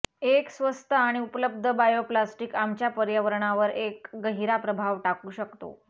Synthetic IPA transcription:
eksʋəst̪ʰəaɽ̃iupələb̚d̪ʱəbajoplasʈikamt͡ɕjapəɾjəʋəɾɳaʋəɾekɡəɦiɾapɾəbʱaʋʈakuːɕəkt̪o̰

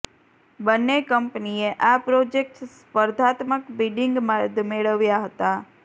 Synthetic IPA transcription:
bənːekəmpnieʔapɾod͡ʒek̚ʈspəɾd̪ʱat̪məkbiɖiŋɡmad̪ʱmeɭəʋjaɦət̪a

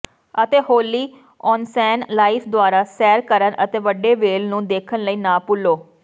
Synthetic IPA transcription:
ət̪eːhoːliː | ɔːnsɛːnlaːipʰd̪ʊaːɾaːsɛːɾkəɾənʔət̪eːʋəɖeːʋeːlnũːd̪eːkʰənləiːnãːpʊlːoː

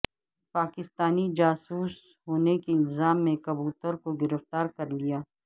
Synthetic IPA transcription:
paːkɪst̪aːnid͡ʒaːsuːs | ɦoːnekeɪlzaːmːẽkɐbuːt̪əɾkoɡɪɾəft̪aːɾkɐɾlijaː

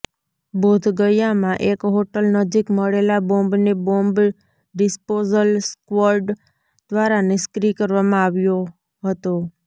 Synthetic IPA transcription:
bod̪ʱɡəjamãʔekɦoʈəlnəd͡ʒikməɭelabõmbnebomb | ɖɪspozəlskʋəɾɖ | d̪̥ʋaɾanɪskɾikəɾʋamãaʋjo | ɦət̪o

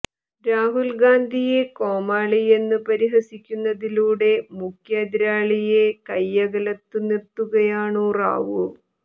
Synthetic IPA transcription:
ɾaːɦulɡaːnd̪ʱije̞ko̞ːmaːɭije̞nːɨpɐɾiɦɐsikʲːunːɐðiluːɽe̞mukʰjaːd̪iɾaːɭijekɐjːɐɣɐlɐt̪ːɨnirt̪ːuɣɐjaːɳoːra̰ːʋuɭ

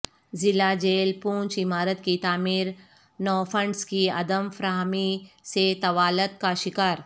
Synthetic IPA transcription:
zɪlad͡ʒeːlpũːnt͡ʃɪmaːɾət̪kit̪aːmiːɾ | nɔːfə̃ɳɖskiɐ̰d̪əmfɾaːɦmiset̪ɐʋaːlət̪̚kaʃɪkaːɾ

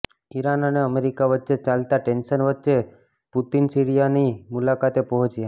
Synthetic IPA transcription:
iɾanəneəmeɾikaʋətːʃet͡ʃalt̪aʈenʃənʋətːʃe | put̪insiɾijanimʊlakat̪epəɦɔt͡ʃja

